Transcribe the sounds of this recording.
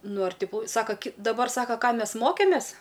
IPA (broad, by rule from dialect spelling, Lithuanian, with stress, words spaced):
ˈnʊ ɐr ˈtʲɪ ˈkuː ˈsɑːkɐ dɐˈbɐr ˈsɑːkɐ ˈkɑː ˈmʲɛs ˈmoːkʲeːmʲeːs